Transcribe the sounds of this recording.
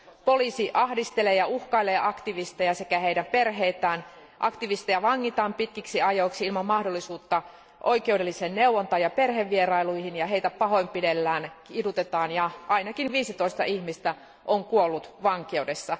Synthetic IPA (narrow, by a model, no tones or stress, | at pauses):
poliːsiʔɑhdist̪eleːjɑuhkɑileːʔɑkt̪iʋist̪ejɑsekæheidæmperɦeit̪æːn | ʔɑkt̪iʋist̪ejɑʋɑŋːit̪ɑːmpit̪kiksiɑjoiksiilmɑmmɑhdolːisuːt̪ːɑ | ʔoikewdelːiseːnneuwont̪ɑːjɑperɦeʋːierɑiluihinjɑɦeijt̪æpɑɦo̞impidelːæːnkidut̪et̪ɑːnjɑʔɑinɑkinʋiːsit̪oist̪ɑ̰ʔihmist̪æ | ʔoŋkuolːut̪ʋɑŋkeudesːɑ